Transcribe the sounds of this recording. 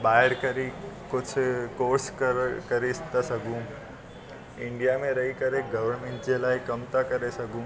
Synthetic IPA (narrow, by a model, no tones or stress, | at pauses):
ɓaːɦɪɾkɐɾikʊd͡ʑʰʱkoːɾskkɐɾest̪asɐɡʱũ | ɪ̃ɳɖijamẽɾɐɦikɐɾeɡɐʋəɾmẽɳʈd͡ʑelaːɪkɐmt̪akɐɾesɐɡʱũ